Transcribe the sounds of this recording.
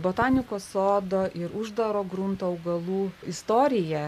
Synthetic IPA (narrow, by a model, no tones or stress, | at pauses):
boːt̪ɑːnʲɪkoːsoːd̪oːʔɪɾʊʒd̪ɐɾoːɡɾʊnt̪oːɐʊɡɐlˠuːɪst̪oːɾʲɪjɛ